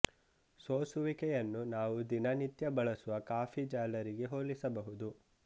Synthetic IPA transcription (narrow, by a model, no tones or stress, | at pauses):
soːsuʋikɛjɐnːunaːʋud̪inɐnit̪jɐbɐɭɐsuʋɐkaːfʰid͡ʒaːlɐɾiɡe̞ɦoːlisɐbɐɦud̪u